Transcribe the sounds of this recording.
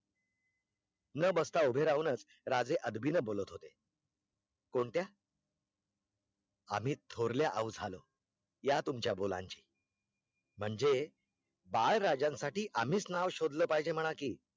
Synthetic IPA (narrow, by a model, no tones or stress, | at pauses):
nəbəst̪aubʱeɾaʋnət͡s | ɾad͡zeʔəd̪bʱinəbolət̪ɦot̪e | koɳt̪ja | am̤iːt̪ʰoɾljaʔəwd͡zʱalə̰ | jat̪umt͡ɕjabola̰ɲt͡ɕiː | m̤əɳd͡ze | baɭɾad͡ʑãnsaʈiːʔam̤iːt͡snaʋɕod̪ləːpaɦd͡ʑem̤əɽ̃akiː